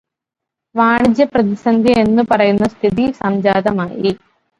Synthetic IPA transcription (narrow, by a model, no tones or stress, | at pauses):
ʋaːɳid͡ʒjɐpɾɐt̪isɐnd̪ʱjɐenːupɐɾɐjunːɐst̪ʰit̪̬isɐmd͡ʒaːd̪ɐmaːji